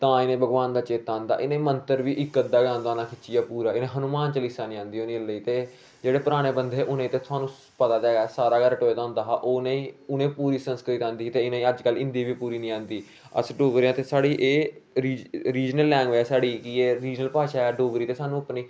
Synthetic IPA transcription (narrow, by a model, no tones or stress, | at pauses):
t̪ãːɪnẽːbʱəɡʋaːnd̪aːt͡ʃeːt̪ãːnd̪a̰ːʔɪnẽːmənt̪əɾʋiːʔɪkːəd̪aːɡãːnd̪aːnãːkʰɪt͡ʃɪjaːpuːɾaːɪnẽːɦənuːmaːnt͡ʃəlɪsaːnĩːãːnd̪iːoːnĩːləiːt̪eː | d͡ʒeːɽeːpəɾaːɽ̃eːbənd̪eːʔʊnẽːt̪eːt̪ʰʊaːnũː | pət̪aːd̪ɛːɡɛːsaːɾaːɡɛːɾəʈoːed̪aːʊ̃nd̪aːɦaːʔoːnẽːʊnẽːpuːɾiːsənskɾɪt̪ɪt̪ãːnd̪iːt̪eːɪnẽːəd͡ʒkəlɪ̃nd̪iːʋiːpuːɾiːnĩːãːnd̪iː | ə̰sɖoːɡɾeãːt̪eːsaːɽiːʔeːɾiːɾiːd͡ʒnəlːɛ̃ːŋɡʋeːɛːsaːɽiːkieːɾiːd͡ʒnəlpaːʃaːɛːɖoːɡɾiːt̪eːsaːnũːəpːniː